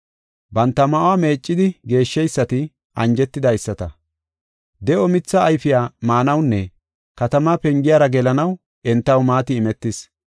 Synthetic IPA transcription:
bɐnt̪ːɐmɐʔwaːme̞ːt͡ʃʼːɪd̪ɪɡe̞ːʃːɛjsːɐt̪ɪ | ʔɐnd͡ʒɛt̪ːɪd̪ɐjsːɐt̪ɐ | d̪ɛʔɔmɪt͡sːɐːjfɪjaːmaːnɐwnːɛ | kɐt̪ɐmaːpɛŋɡɪjaːɾɐɡɛlɐnɐw | ʔɛnt̪ːɐwmaːt̪ɪːmɛt̪ːɪs

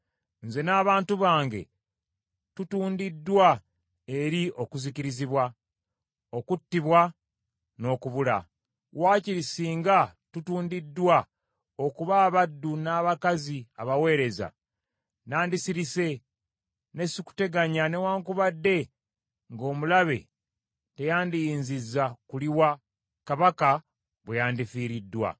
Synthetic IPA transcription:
nze̞naːβaːntuβaːŋɡe̞̰ | tutuːndidːwa | e̞ɾiʔo̞kuziciɾiziβwa | o̞kutːiβwa | no̞ːkuβula̰ | waːciɾisiːŋɡatutuːndidːwa | o̞kuβaːβadːunaːβakaziaβawe̞ːɾe̞za̰ | naːndisiɾise̞ | ne̞siku̥te̞ɡaɲanewaːŋkuβadːe̞ | ŋɡo̞ːmulaβe̞̰ | te̞jaːndijiːnzizːakuliwa | kaβaka | βwejaːndifiːɾidːwa̰

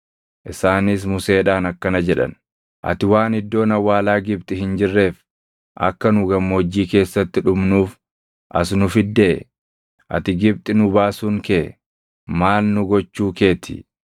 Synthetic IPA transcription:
ʔɪsaːnɪs̬mʊse̞ːᶑaːnɐkːɐnɐd͡ʒɛᶑɐ̰n | ʔɐ̰t̪ɪwaːnɪd̪ːo̞ːnɐwːaːlaːɡɪb̚t̪ʼɪhɪnd͡ʒɪrːe̞ːf | ʔɐ̰kːɐnʊɡɐmːo̞ːd͡ʒːiːke̞ːsːɐt̪ːɪᶑʊmnuːf | ʔɐs̬nʊfɪd̪ːeː | ʔɐ̰t̪ɪɡɪb̚t̪ʼɪnʊbaːsuːŋke | maːlnʊɡɔt͡ʃːuːke̞ːt̪ʰɪ̰

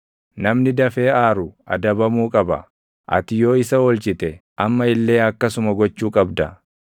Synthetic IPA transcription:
nɐmnɪd̪ɐfe̞ːaːɾʊʔɐ̰d̪ɐbɐmuːkʼɐbɐ̰ | ʔɐ̰t̪ɪjo̞ːɪsɐɔlt͡ʃɪt̪ɛʔɐmːɐɪlːe̞ːɐkːɐsʊmɐɡɔt͡ʃːuːkʼɐbd̪ɐ

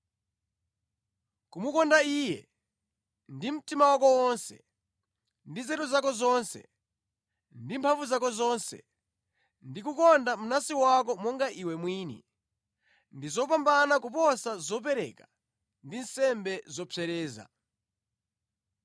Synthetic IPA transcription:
kumukɔndaiːjɛ̰ | ndim̩timawakɔwɔnsɛ̰ | ndizɛtuzakɔzɔnsɛ̰ | ndimpʰaɱvuzakɔzɔnsɛ̰ | ndikukɔndamunasiwakɔmɔŋɡaʔiwɛmwiːnḭ | ndizɔpambanakupɔsazɔp̬ɛɾɛ̰ka | ndinsɛmbɛzɔpʰɛɾɛːza̰

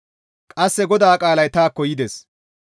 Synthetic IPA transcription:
kʼɐsːɛɡɔd̪aːkʼaːlɐjt̪aːkːɔjɪd̪es

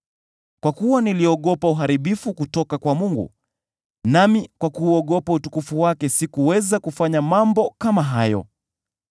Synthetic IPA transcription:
kwakuwaniliɔɠɔpauɦaɾiɓifukutɔkakwamuŋɡṵ | namikwakuːɔɠɔpautukufuwakɛsikuwɛzakufaɲamambɔkamaɦajɔ̰

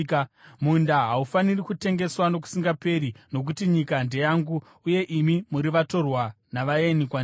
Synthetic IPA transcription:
mundaɦaufanirikute̞ŋɡe̞swano̞k̬u̥siŋɡape̞ɾino̞k̬utiɲikande̞jaŋɡuː | je̞ʔimimuɾiʋato̞rwa | naʋajenikwa

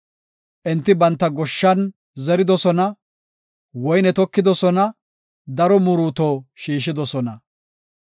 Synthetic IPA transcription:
ʔɛnt̪ːɪbɐnt̪ːɐɡɔʃːɐn | zɛɾɪd̪ɔsɔnɐ | wɔjnɛt̪ɔkːɪd̪ɔsɔnɐ | d̪ɐɾɔmʊɾuːt̪oːʃiːʃ̬ɪd̪ɔsɔnɐ

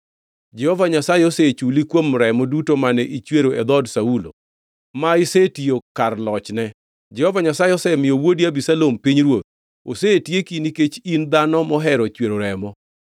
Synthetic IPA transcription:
d͡ʒɛhɔvaɲasajɛoset͡ʃulikwomɾɛmɔdutomanɛʔit͡ʃweɾoed̪ɔdsaulo̰ | maɪsetiokarlɔt͡ʃnɛ | d͡ʒɛhɔvaɲasajɛɔsɛmɪjowodiabisalompiɲɾwot̪̚ | o̰setjekiniket͡ʃind̪anɔmɔɦɛɾɔt͡ʃweɾoɾɛmɔ

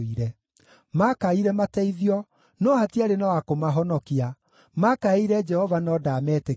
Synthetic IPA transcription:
iɾɛ | makaiɾɛmatɛiðiɔ | nɔhatiaɾenawakomaɦɔnɔkia | makaiɾɛd͡ʒɛhɔvanɔdamɛte

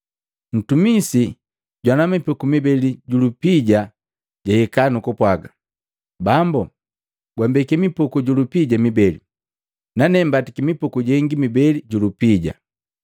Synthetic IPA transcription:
n̩tumisi | ɟwanamipɔkumibɛliɟulupiɟa | ɟahɛkanukɔpwaɡa | bambu | ɡwambɛkɛmipɔkuɟulupiɟamibɛli | nanɛmbatikimipɔkuɟɛŋɡimibɛliɟulupiɟa̰

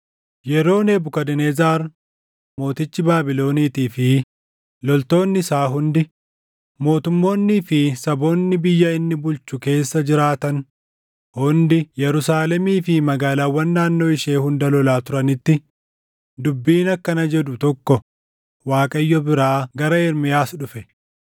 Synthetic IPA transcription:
jɛɾo̞ːneːbʊkɐd̪ɛneːzaːɾ | mo̞ːt̪ɪt͡ʃːɪbaːbɪlo̞ːniːt̪iːfɪ | lɔlt̪o̞ːnːɪɪsaːɦʊnd̪ɪ | mo̞ːt̪ʊmːo̞ːnːiːfɪsɐbo̞ːnːɪbɪjːɐɪnːɪbʊlt͡ʃːʊke̞ːsːɐd͡ʒɪɾaːt̪ɐn | hʊnd̪ɪjɛɾʊsaːlɛmiːfɪmɐɡaːlaːwːɐnːaːnːo̞ːɪʃe̞ːhʊnd̪ɐlɔlaːt̪ʊɾɐnɪt̪ːɪ | d̪ʊbːiːnɐkːɐnɐd͡ʒɛd̪ʊt̪ɔkːɔ | waːkʼɐjːɔbɪɾaːɡɐɾɐɛɾmɪjaːsᶑʊfɛ

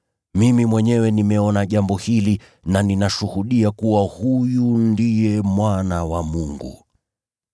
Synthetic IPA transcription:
mimimwɛɲɛwɛnimɛɔnaʄambɔhili | naninaʃuhuɗiakuwahujundijɛmwanawamuŋɡṵ

